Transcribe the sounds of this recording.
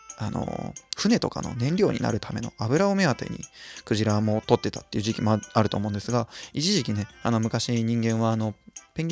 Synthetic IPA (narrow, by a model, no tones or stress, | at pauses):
ano̰ɸɯ̟ne̞t̪o̞ka̰no̰nẽ̞nɾʲo̞ːɲ̟ḭna̰ɾɯ̟t̪ʰame̞̰no̞̰abɯ̟ɾaome̞at̪e̞̰ɲ̟ḭkɯ̟ʑiɾamo̞t̪o̞t̪ːe̞t̪ḁt̪ːe̞iɯ̟ʑikʲimo̞aɾɯ̟t̪oːmõnd̪e̞sɨɡait͡ɕiʑikʲine̞ano̞mɯ̟kaɕiɲ̟ĩŋɡẽ̞ɰ̃βaːno̞pẽ̞ŋʲ